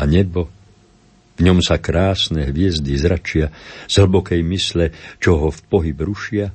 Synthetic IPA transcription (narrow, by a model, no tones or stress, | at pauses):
aɲɛbɔ | vɲɔmsakɾaːsnɛɦʋɪɛzd̪izɾat͡ʃɪaz̥ɦl̩bɔkɛjmislɛt͡ʃɔɦɔfpɔɦibɾuʃɪa